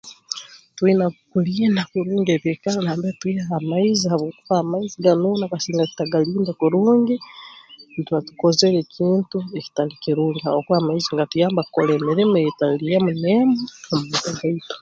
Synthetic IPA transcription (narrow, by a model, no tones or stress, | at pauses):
twinakukulindakuɾuːŋɡeβjekalanaːmbetwiaamaizihaβokuβaːmaiziɡanunakasiːŋɡaki̥taɡaliːndakuɾuːŋɡi | nituatukozelekʰiːntueki̥tanikiɾuliaβokuamaiziŋɡatujaːmbakkolemiɾimetalijamunemaamukuɡaito̥